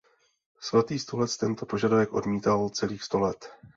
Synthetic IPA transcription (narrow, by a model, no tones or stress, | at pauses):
sv̩t̪iːst̪olɛt͡st̪ɛnt̪o̞po̞ʒadavɛkʔo̞̰dmiːt̪alt͡sɛliːxst̪o̞lɛt̪